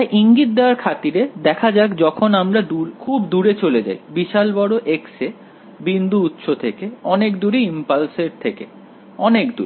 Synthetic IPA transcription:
aʔiŋɡit̪̚d̪ewaɾkʰat̪iɾed̪ɛkʰad͡ʑakd͡ʑɔkʰonamɾad̪ukʰubd̪uɾet͡ɕoled͡ʑa̰jbiʃalbɔɽoʔekse | bind̪ʱuut̪ːʃot̪ʰekeɔnekd̪uɾeimpalseɾt̪ʰeke | ɔnekd̪uɾe

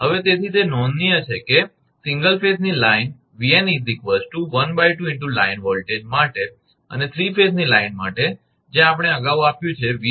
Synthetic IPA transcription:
ɦəʋet̪et̪ʰit̪enɔnːijət͡ʃʰeke | sĩŋɡəlfesnilaɪn | ʋienid̪ikʋəsʈuʋənbajʈuɪɳʈulainʋɔlʈed͡ʒmaʈe | ə̰net̪ʰɾifeznilaɪnma̰ʈe | d͡ʒẽap̬ɽ̃eəɡaʋapjũt͡ʃʰeʋi

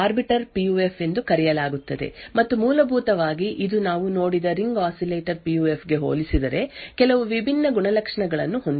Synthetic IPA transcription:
aːɾbiʈɐɾpijuːepʰe̞nd̪ukɐɾɛjɐlaːɡut̪ːɐd̪e̞̰mɐt̪ːumuːlɐbʱuːt̪ɐʋaːɡiʔid̪unaːʋuno̞ːɽid̪ɐɾiŋɡaːsileːʈɐɾpijuːe̞pʰɡe̞ɦo̰ːlisid̪ɐɾe̞kɛlɐʋuʋibʱinːɐɡuɳɐlɐkʂɐɳɐɡɐɭɐnːuɦond̪i

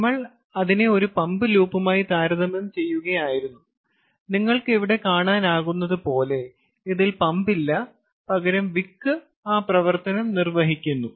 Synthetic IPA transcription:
mːɐɭ | ɐðine̞o̞ɾupɐmbɨluːpːɐmaːjit̪aːɾɐðɐmemt͡ɕe̞jːuɣɐjaːjiɾunːu | niŋːɐɭkɨeʋiɽe̞kaːɳaːnaːɣunːɐðɨpo̞ːle̞ | iðilpɐmbilːɐ | pɐɣɐɾɐmʋikːɨ | aːprɐʋɐrt̪ɐnɐmnirʋɐɦikʲːunːu

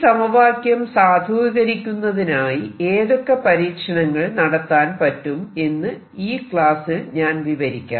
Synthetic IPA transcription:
sɐmɐʋaːkjɐmsaːd̪ʱuːɣɐɾikʲːunːɐðinaːjie̞ːðokːɐpɐɾiːkʂɐɳɐŋːɐɭnɐɽɐt̪ːaːnpɐtːume̞nːɨ | iːkɭaːsɨɲaːnʋiʋɐɾikʲːa̰ːm

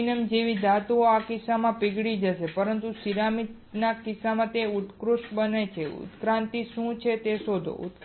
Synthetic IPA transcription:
nəmd͡ʒeʋid̪at̪uoakɪsamãpɪɡɽid͡ʒəʃepəɾənt̪usiɾamit̪ | nakɪsamãt̪euʈkɾuʃbənet͡ʃʰeṵt̪kɾãnt̪iʃũt͡ʃʰet̪eʃod̪ʱo̰ʔṵt̪

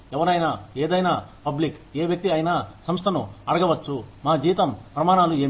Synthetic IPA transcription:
ɛʋɐɾɐjnaːeːd̪ɐjnaːpɐblikeːʋjɐk̚t̪iɐjnaːsɐmst̪ʰɐnuɐɽɐɡɐʋɐt͡ʃːumaːd͡ʒiːʋt̪ɐmpɾɐmaːɳaːlue̞ː

